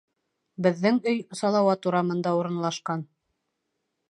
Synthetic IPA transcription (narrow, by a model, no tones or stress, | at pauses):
bɘ̆ðːɘŋɵjsɑlˠɑwɑt̪uɾɑmɤ̆nd̪ɑuɾɤ̆nlˠɑʃqɑn